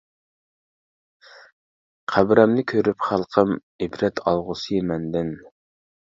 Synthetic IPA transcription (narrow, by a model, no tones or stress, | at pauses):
qʰæbɾɛmnɪkʲʰøɾypχælˠqʰəm | ɪbɾɛt̪ʰɑlˠʁʊsɨjmɛnd̪ɪn